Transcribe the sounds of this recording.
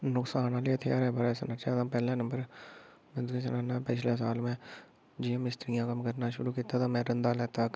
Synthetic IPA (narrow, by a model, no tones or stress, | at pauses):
nʊksaːnãːliːət̪ʰːeaːɾɛːbəɾːsnat͡ʃɛːt̪ãːpɛːlɛ̃ːnə̃mbəɾ | mɛ̃ːd̪kiːsənaːnaːpɪʃleːs̬aːlmɛ̃ː | d͡ʒiːõːmɪst̪əɾɪjãːkəmkəɾnaːʃʊɾuːkiːt̪aːt̪ãːmɛ̃ːɾənd̪aːlɛːt̪aːk